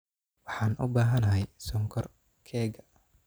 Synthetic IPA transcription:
wɑħɑːnʔʊ̰baːɦɐnɐɦɛjsɔŋkʰɔr | kʰɛːɡɐ

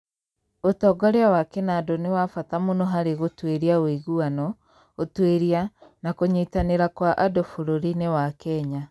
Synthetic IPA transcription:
otɔɡɔɾeawakenadɔnewafatamonɔɦaɾeɣotweɾiawiɣuanɔ | otweɾianakoɲitaneɾakwaʔadofoɾoɾinewakɛɲa

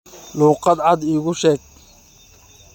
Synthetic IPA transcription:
luːqɑd̪ʕɑd̪iːɣʊʃɛːɡ̚

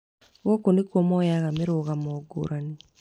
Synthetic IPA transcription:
wokonikwomɔjaɣameɾoɣamɔɡo̰ɾʔani

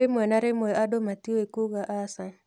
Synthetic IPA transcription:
ɪmwɛnaɾɪmwɛʔadomatioekuɣaʔasaɲ

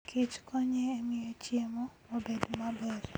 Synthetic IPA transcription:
kʰɪt͡ʃkʰoɲeːmɪot͡ʃjemo | obedmabɛɾ

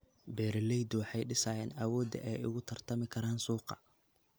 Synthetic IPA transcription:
bɛːɾɪlɛjd̪wɑħɑjɖɪsaːjɛːnɐwɔːd̪ɐ̰ʔɛjʊ̰ɣʊt̪ʰɐrt̪ʰɐmɪkʰɐɾaːnsuːqɑ̰

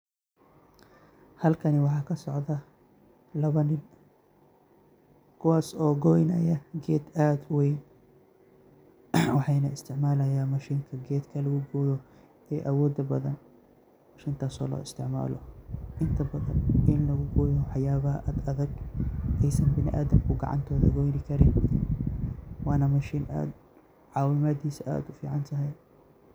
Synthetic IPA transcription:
hɐlkʰɐnɪwɑħɑːkʰɐsɔʕðɐ | lɐβɐnɪn | kʰʊwaːsɔːɡɔjnɐ̰jɐɡɛːd̪aːd̪wɛjn | wɑħɑjnɐɪst̪ʰɪʕmaːlɐjaːmɐʃiːŋkʰɐɡɛːd̪kʰɐlɐɣʊɡɔːjɔ | ɛːʔɐwɔːd̪ɐbɐðɐn | maʃiːnt̪ʰaːsɔ̰ːlɔ̰ːɪst̪ʰɪʕma̰ːlɔʔɪnt̪ʰɐbɐðɐ̰nʔɪnlɐɣʊɡɔːjɔħɑjaːβɐʔaːd̪ɐðɐɡʔɛjsɐnbɪnɪ̰ʔa̰ːðɐmkʰʊɡɑ̰ʕɑ̰nt̪ʰɔːðɐɣɔjnɪkʰɐɾɪn | wɑaːnɐmɐʃiːnʔa̰ːd̪ | ʕɑːwɪmaːd̪iːsɐʔa̰ːd̪ʊfḭːʕɑnt̪ʰɐɦɛj

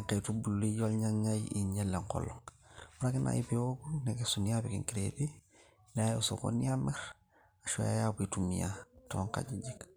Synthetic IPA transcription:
aŋketubulːiɟolɲaajʔiɲelːeŋko̰loŋwuɾakinʔa̰ipewokunekesuniabikḭŋkiɾebi | najuso̰ko̰niameɾ | aʃo̰ja̰jabitumḭjatoŋka̰ɟiɟik

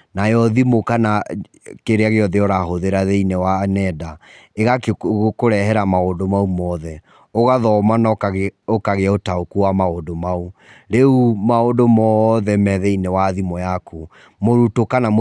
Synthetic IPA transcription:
najɔðimokana | keɾeaɣeɔðeɔɾaɦoðeɾaðeinɛwanɛda | eɣakkoɾɛɦɛɾamaondomaumɔːðɛ | oɣaðɔmanaokaɣeaotaokuwamaondomau | ɾeumaodomɔðɛmɛðɛinewaðimɔjako | moɾutokanam

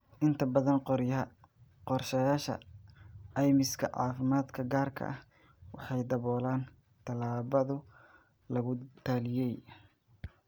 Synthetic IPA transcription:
ʔɪnt̪ʰɐbɐðɐnqɾjɐ | qɔrʃɐjaːʃɐ̰ | ɛjmɪskʰɐ̰ʕɑ̰ːfɪmaːd̪kʰɐɡaːrkʰɐ̰ʔɐh | wɑħɑjd̪ɐβɔːlaːn | t̪ʰɐlaːβɐðʊ | lɐɣʊt̪ʰaːlɪjɛj

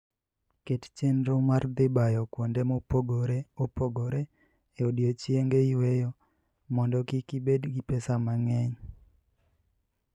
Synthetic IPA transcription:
kett͡ʃenɾomard̪ɪbajɔkwondemopoɡoɾeopoɡoɾe | eodjot͡ʃjeŋɡeiwejɔ | mɔndɔkikibedɡipɛsamaŋɛɲ

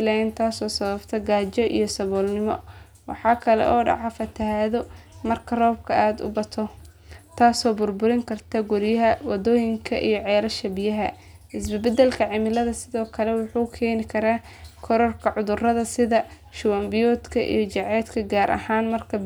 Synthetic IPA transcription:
lɛjɪnt̪ʰaːsɔːsɐβɐbt̪ʰɐɡaːt͡ʃɔʔḭjɞsɐβɔːlnɪmɔ̰ | wɑ̰ħɑːkʰɐlɛ̰ʔɔːɖɑ̰ʕɑfɐt̪ʰɐhaːðɔmɐrkʰɐrɔːb̚kʰɐaːd̪ʊ̰bɐt̪ʰɔ | t̪ʰaːsɔːbʊrbʊɾɪŋkʰɐrt̪ʰɐɡʊɾɪjɐɦɐwɑd̪ɔːjɪŋkʰɐʔḭjɔʕɛːɾɐʃɐbɪjɐɦɐ | ɪsbɪbɐd̪ɛlkʰɐʕɪmɪlɐðɐsɪðɔːkʰɐlɛwʊħuːkʰɛːnɪkʰɐɾaː | kʰɔɾɔrkʰɐʕʊðʊrɐðɐsɪðɐ | ʃʊwɐmbɪjɔːd̪kʰɐʔḭjɔt͡ʃɐʕɛːd̪kʰɐɡaːɾʔɐ̰haːnmɐrkʰɐ

